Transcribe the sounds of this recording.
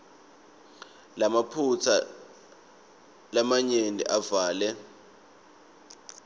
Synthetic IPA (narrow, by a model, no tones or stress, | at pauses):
lamapʰut͡sʰa | lamaɲenḭʔavaːlɛ